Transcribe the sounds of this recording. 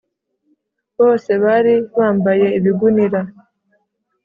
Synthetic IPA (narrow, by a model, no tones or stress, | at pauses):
βo̞ːse̞βaɾiβaːmbaje̞iβiɡuniɾa